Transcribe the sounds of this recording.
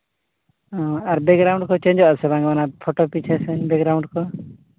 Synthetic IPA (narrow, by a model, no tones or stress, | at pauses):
ɔ̃aɾbɛkɡɾawɳɖkɔt͡ʃẽɲd͡ʒɔʔsɛbãŋɡmanapʰɔʈopit͡ʃʰɛsɛbɛɡɾawɳɖkɔ